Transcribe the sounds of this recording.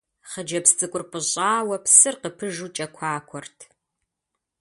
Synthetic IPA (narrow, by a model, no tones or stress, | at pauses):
χəd͡ʒɐpst͡sʼɨkʷʼʊrpʼɨɕʼaːwɐpsɨrqəpʰɨʒut͡ʃʼɐkʷʰaːkʷʰɔrtʰ